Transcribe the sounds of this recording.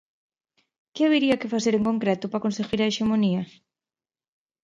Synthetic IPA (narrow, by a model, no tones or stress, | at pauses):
kɪaβeɾiɐkɪfaθeɾeŋkoŋkɾɛt̪ʊpakonseɣiɾaeʃemoniɐ